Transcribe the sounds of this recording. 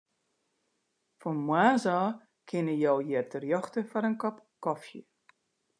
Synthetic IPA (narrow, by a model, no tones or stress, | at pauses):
fɔnmwaːzɔː | kʰɪnəjowjɛtərjɔxtəfɔɾənkɔpkɔfjə